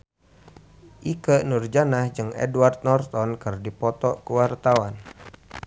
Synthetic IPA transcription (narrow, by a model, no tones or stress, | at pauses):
ʔikənurd͡ʒanahd͡ʒɨŋɛ̰duart̪̚nɔrt̪ɔnkɨrdipɔt̪ɔkuwart̪awan